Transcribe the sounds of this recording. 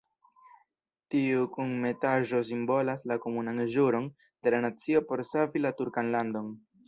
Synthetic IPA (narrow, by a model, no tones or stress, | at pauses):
tiukunme̞taʒo̞s̬imbo̞laslako̞munanʒuɾo̞n | d̥e̞lanat͡sio̞po̞ɾsavilatuɾkanlando̞n